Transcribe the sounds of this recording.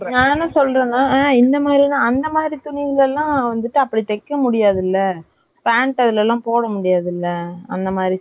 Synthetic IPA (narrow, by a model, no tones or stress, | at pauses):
naːnɐsɔlːɾɐ̃ːnaːẽːɪnd̪ɐmaːd̪ɾinãːɐnd̪ɐmaːd̪ɾit̪ʊɳɪðɪlɛlːãːʋɐnd̪ɯʈːɯɐpːɐɽit̪ɛkːɐmʊɽɪjaːðɪlːɐ | paːɳʈɐðɪlɛlːãːpoːɽɐmʊɽɪjaːðɪlːɐɐ̰nd̪ɐmaːdɾi